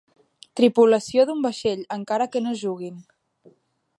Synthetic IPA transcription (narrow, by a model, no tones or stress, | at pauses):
t̪ɾipuləsioðumbəʃeʎəŋkaɾəkənoʒuɣ̞in